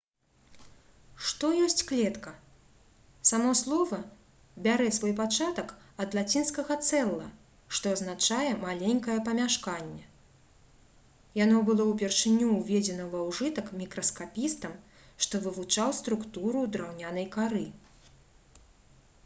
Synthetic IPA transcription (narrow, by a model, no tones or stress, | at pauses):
ʂt̪ɔjɔsʲt͡sʲklʲɛt̪kɐ | samɔslˠɔvɐ | bʲaɾɛsvɔjpat͡ʂat̪ɐk | ɐd̪lˠat͡sʲinskɐɣɐt̪sɛlˠːɐ̰ | ʂt̪ɔɐznat͡ʂajɛmalʲenʲkɐjɛpɐmʲaʂkanʲːɛ | janɔbɨlˠɔwpʲɛrʂɨnʲuːvʲed͡zʲɛnɐvawʐɨt̪ɐkmʲikɾɐskapʲist̪ɐm | ʂt̪ɔvɨvut͡ʂawst̪ɾukt̪uɾud̪ɾawnʲanɐjkaɾɨ